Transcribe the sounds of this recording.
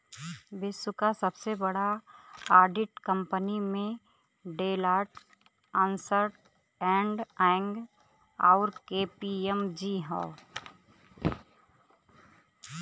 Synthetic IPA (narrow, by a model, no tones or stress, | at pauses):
bɪsʊkasəbsebəɽaaːɾɖɪʈkə̃mpənimẽ | ɖeːlaːʈ | ãnsəɾʈ | ɛ̃ːɳɖɛɪ̃ŋɡ | ɔːʊɾkeːpiemd͡ʒiɦɛ̰ː